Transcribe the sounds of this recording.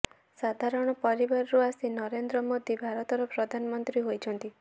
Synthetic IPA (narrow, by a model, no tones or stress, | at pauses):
sad̪ʱaɾɔɽ̃ɔpɔɾibaɾɔɾuasinɔɾend̪ɾɔmod̪ibʱaɾɔt̪ɔɾɔpɾɔd̪ʱanɔmɔnt̪ɾiɦojt͡ʃʰɔnt̪i